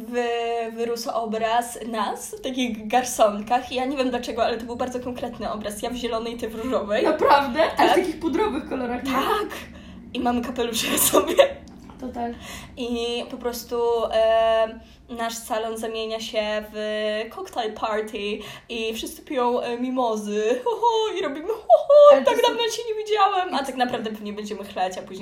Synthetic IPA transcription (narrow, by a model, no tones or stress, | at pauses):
vvɘɾusaʔɔbɾasnasft̪ak̬ʲiɣɡaɾsɔŋkaxijaɲevʲjɛmd̪lat͡ʂɛɡɔalɛt̪ɔbɘwbaɾd̪zɔkɔŋkɾɛt̪nɘɔbɾasjavʑɛlɔnɛjt̪ɘvɾuʐɔvɛjnapɾavd̪ɛt̪akt̪akʲixpɔd̪ɾɔbɘxkɔlɔɾaxt̪ʰak | imamkapɛluʂɛsɔbʲjɛ | t̪ɔt̪alʔipɔpɾɔst̪uʔ | naʂsalɔnzamʲjeɲaɕɛvkʰɔkt̪alpʰaɾt̪ʰʲiʔifʂɨst̪ɘ̥pʲijɔ̃w̃mʲimɔzɘɔhɔiɾɔbʲimɘɔhɔt̪aɡd̪amɲɛɕeɲevʲid͡ʑawɛmat̪aknapɾavd̪ɛvmɲɛbɛɲd͡ʑɛmɘxlɛt͡ɕapuʑɲe